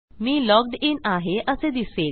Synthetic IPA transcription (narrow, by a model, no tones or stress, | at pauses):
miːlɔɡ̚ɖinaɦeʔəsed̪ise